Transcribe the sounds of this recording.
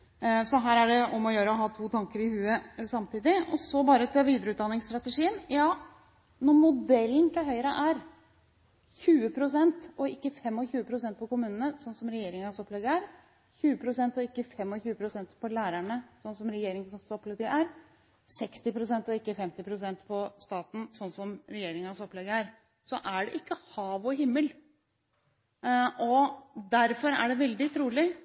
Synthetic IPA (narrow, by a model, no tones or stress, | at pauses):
sɔɦæːɾæɖɛɔmɔjøːɾəɔɦɑːt̪ʰuːt̪ʰɑŋkəɾɪhʉːəsɑmt̪ʰiːd̪ɪɔsɔbɑːɾət̪ʰɛʋiːd̪əɾəʉːt̪d̪ɑnːɪŋst̪ɾɑt̪əʂiːənjɑː | nɔɾmʊd̪ɛlːnt̪ʰɪlɦœʏəɾəʔæɾ | çʉːəpʰɾʊsɛnt̪ɔɪkːəfɛmːɔçʉːəpʰɾʊsɛnt̪̚pʰɔkʊmʉːnənəsɔnːsɔmɾɛjeːɾɪŋɑsɔpːlɛɡ̪əæɾ | çʉːəpʰɾʊsɛnt̪ɔɪkːəfɛmːɔçʉːəpʰɾʊsɛnt̪pʰɔlæːɾæɳəsɔnsɔmɾɛjeːɾɪŋsɑsɔpːlɛɡəʔæɾ | sɛkst̪ɪpʰɾʊsɛnt̪ɔɪkːəfɛmt̪ɪpʰɾʊsɛnt̪pʰɔst̪ɑːt̪n̩sɔnːsɔmɾɛjeːɾɪŋɑsɔplɛɡəæɾ | sɔʔæɖɛ̰ʔɪkːəhɑːʋɔɦɪmːəl | ʔɔd̪æɾfɔɾæ̰ɖɛʋɛld̪ɪt̪ʰɾuːlɪ